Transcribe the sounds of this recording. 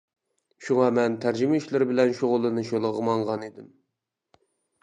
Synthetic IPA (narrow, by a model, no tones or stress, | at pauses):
ʃuŋɑmɛnt̪ʰæɾd͡ʒɪmɛyʃlɪɾɪbɪlɛnʃoʁʊlˠɨnɨʃolˠəʁmɑɴʁɑnid̪ɪm